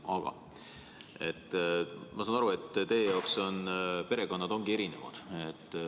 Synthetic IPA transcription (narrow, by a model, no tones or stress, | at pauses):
ɑɡ̥ɑ̰ | e̞t̪ːmɑsɑːnɑɾue̞t̪ːt̪e̞jejɑokso̞npe̞ɾe̞ko̞nːɑd̪o̞ŋɡ̥ie̞ɾine̞̰vɑ̰d̪̥e̞t̪ː